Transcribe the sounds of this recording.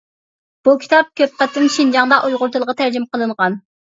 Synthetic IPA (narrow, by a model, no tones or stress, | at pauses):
b̥ukʲʰi̥t̪ʰɑp̚kʲʰøp̚qæt̪ʰːɪnʃind͡ʒɑŋd̪ɑʔujʁʊɾt̪ʰɨlˠʁɑt̪ʰæɾd͡ʒɪmqəlˠɨɴʁɑn